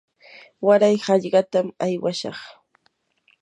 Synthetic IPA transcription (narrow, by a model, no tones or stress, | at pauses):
waɾajhɑʎɢɑt̪amajwaʃɑ̰χ